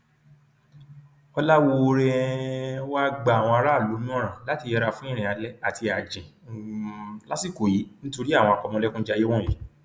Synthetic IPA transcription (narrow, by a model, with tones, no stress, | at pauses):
ɔ˧la˦wo˧ɾɛ˧ɛ˦wa˦ɡ͡ba˨w̃ɔ̃˧a˧ɾa˦˨lo˨˦nũ˦ɔ̃˦˨ɾ̃ã˨la˨˦ti˧jɛ˧ɾa˧fũ˦ĩ˦˨ɾ̃ĩ˨a˧lɛ˦a˦˨ti˧a˨d͡ʒĩ˨ | la˦si˦˨ko˨ji˨˦nĩ˦to˧ɾi˦a˦˨w̃ɔ̃˧a˨kɔ˧mɔ̃˧lɛ˦kũ˦d͡ʒa˦˧je˦wɔ̃˦˨e˨˦